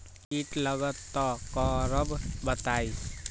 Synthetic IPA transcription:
iʈləɡət̪ːɔkɔɾəbbət̪ai

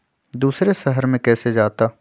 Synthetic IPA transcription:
d̪uːsɾeʃəɦəɾmẽkɛːsed͡ʒaːt̪aː

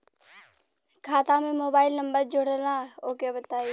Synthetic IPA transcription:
kʰaːt̪ãmẽmoːbaːɪlnəmbəɾd͡ʒʊɽəlãoːkabət̪aːi

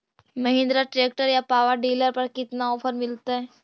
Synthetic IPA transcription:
mɐɦɪ̃nd̪ɾaʈɾeːk̚ʈəɾjapaːʋəɾɖiːləɾpɐɾkɪt̪naɔːpʰəɾmɪlt̪aɦɛː

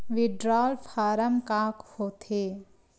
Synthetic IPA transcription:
ʋɪɖɾaːlfʰaːɾəmkãːkhoːt̪ʰeː

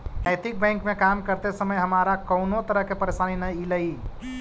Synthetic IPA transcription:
nəjt̪ik̚bɛ̃ŋkmekamkəɾt̪esəməjɦəmaɾakəʊnot̪əɾəɦkepəɾesaninəjiləi

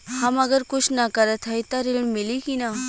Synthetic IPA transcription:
hãməɡəɾkut͡ʃnakəɾət̪ʰajt̪aɾilɳmilikina

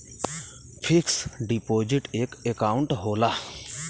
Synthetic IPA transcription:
pʰɪksɖipoːd͡ʒɪʈeːkekaːʊ̃ɳʈɦoːlaː

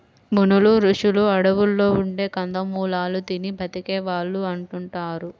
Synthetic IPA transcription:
munuluɾuʂuluɐɽɐʋulːo̞ːuɳɖe̞ːkɐnd̪ɐmuːlaːlud̪inibʱɐt̪ikɛːʋaːɭːuɐɳʈuɳʈaːɾu

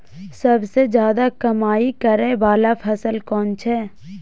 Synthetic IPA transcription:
səbsed͡ʒjaːd̪akɐmaːikəɾẽbaːlapʰɐsəlkɔːnt͡ʃʰɛː

